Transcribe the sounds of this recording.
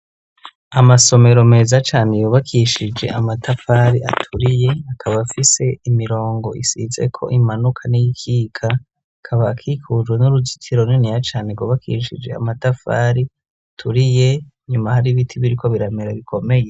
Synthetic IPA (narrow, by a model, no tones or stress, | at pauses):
amaso̞me̞ɾo̞me̞ːzat͡ʃaːnejoːβakʰiʃid͡ʒe̞̰ʔamatʰafaːɾiʔa̰tʰuɾije̞akʰaβafise̞imiɾo̞ːŋɡo̞ʔisḭze̞̰kʰo̞̰ʔimanukʰanijikʰiːkʰa | kʰaβaːkʰiːkʰuːzwenuɾuzi̥tʰiɾo̞ninijat͡ʃaːneɡoːβakʰḭʃḭd͡ʒe̞̰a̰matafa̰ɾi | atʰuɾije̞ | ɲumahaɾiβitʰiβiɾiko̞βiɾameɾaβikʰo̞me̞je